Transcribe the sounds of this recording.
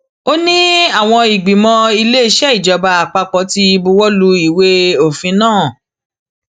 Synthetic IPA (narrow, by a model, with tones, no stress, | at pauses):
o˦nĩ˦a˦˨w̃ɔ̃˧i˨ɡ͡bi˨mɔ̃˧i˧le˦i˦˧ʃɛ˦i˦˨d͡ʒɔ˧ba˧a˨k͡pa˧k͡pɔ̃˨˦ti˧i˧bu˧wɔ˦lu˧˦i˨we˧o˦˨fĩ˨˧˦nãː˦˨